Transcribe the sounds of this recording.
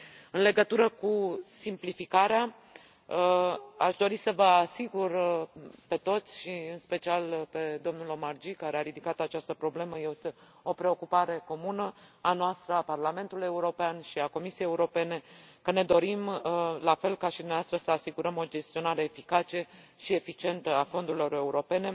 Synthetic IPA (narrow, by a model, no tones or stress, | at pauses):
ɨnle̞ɡət̪uɾəkusimplifikaɾea | aʃd̪o̞ɾisəvəasiɡurpe̞t̪o̞t̪sʲʃiɨnspe̞t͡ʃialpe̞d̪o̞mnulo̞mard͡ʒikaɾeaɾid̪ikat̪at͡ʃast̪əpɾo̞ble̞məjeo | o̞pɾe̞o̞kupaɾe̞ko̞munəanoast̪ɾəaparlame̞nt̪ule̞uɾo̞peanʃiako̞misiejeuɾo̞pe̞ne̞kəne̞d̪o̞ɾimlafe̞lkaʃid̪umneaast̪ɾəsəasiɡuɾəmo̞d͡ʒe̞st̪io̞naɾe̞ːfikat͡ʃe̞ | ʃie̞fit͡ʃie̞nt̪əafo̞nd̪uɾilo̞ɾe̞uɾo̞pe̞ne̞